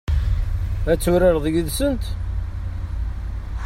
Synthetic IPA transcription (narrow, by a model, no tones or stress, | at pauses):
æt͡sːʊɾɪɾðəʝəðsənt̪